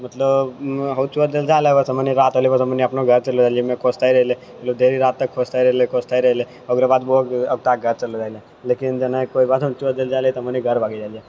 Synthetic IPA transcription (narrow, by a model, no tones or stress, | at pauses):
mət̪ləbɦəut͡ʃuəɾd̪eld͡ʒaːleʋəsəməniɾaːt̪ɦolibosəməniəpnoɡʱəɾt͡ʃɐlod͡ʒaːliemẽkoːst̪aːiɾəɦile | mɐt̪ləbd̪ʱeːɾiɾaːt̪ːəkʰoːst̪aiɾəɦlekoːst̪ʰaːiɾəɦile | oɡɾebaːd̪boːkɐɡ̚t̪aːɡʱəɾt͡ʃəlod͡ʒaːile | leːkɪnd͡ʒɐnakoːibaːt̪ɦə̃t͡ʃuəɾd̪eld͡ʒaːlit̪oəməniɡʱəɾbʱaːɡid͡ʒaːlie